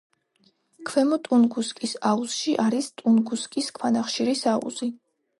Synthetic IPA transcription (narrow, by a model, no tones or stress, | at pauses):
kʰwɛmɔt̪ʼunɡuskʼisausʃiʔaɾist̪ʼunɡuskʼiskʰwanaχʃiɾisaṵz̥i